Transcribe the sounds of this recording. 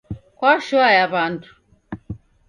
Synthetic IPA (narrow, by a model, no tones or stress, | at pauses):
kʷwaʃɔajaβantʰu̥